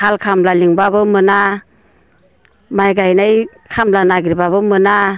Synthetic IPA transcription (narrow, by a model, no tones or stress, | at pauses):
halkʰamlaliŋbabɯmɯna | majɡajnaj | kʰamlanaɡiɾbaβɯmɯna